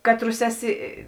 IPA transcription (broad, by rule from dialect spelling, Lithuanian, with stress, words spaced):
ˈkɑːtˌrʊs ˈæːˌsʲɪ